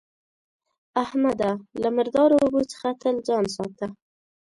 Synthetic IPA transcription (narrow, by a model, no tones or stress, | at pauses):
ahmad̪alaməɾd̪ɑɾoɾobot͡sə̥xat̪əld͡ʒɑnsɑt̪a